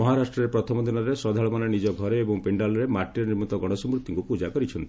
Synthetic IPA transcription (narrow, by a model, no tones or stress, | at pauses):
mɔɦaɾasʈɾɔɾepɾɔt̪ʰɔmɔd̪ʱinɔɾesɔd̪ʱaɭɔmanɔnid͡ʒɔɡʱɔɾeːbɔŋpeɳɖalɔɾemaʈiɾɔniɾmɔt̪ɔɡɔɽ̃ɔsɔmɾut̪ːiŋkupud͡ʒakɔɾit͡ʃʰɔnt̪ii